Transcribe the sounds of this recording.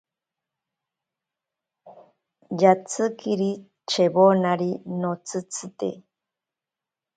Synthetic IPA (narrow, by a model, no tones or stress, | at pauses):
jat͡sɨkiɾi | t͡ʃeβonaɾinot͡sɨt͡sʰɨt̪ḛ